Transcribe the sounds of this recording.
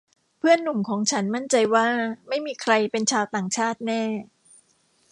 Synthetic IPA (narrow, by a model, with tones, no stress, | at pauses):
pʰɯ˥˩ənːu˨˩mkʰɔː˩˦ŋt͡ɕʰa˦˥nma˥˩nt͡ɕa˧jwaː˥˩ma˥˩jmiː˧kʰɾa˧jpe˧nt͡ɕʰaː˧wt̪aː˨˩ŋt͡ɕʰaː˥˩t̪̚nɛː˥˩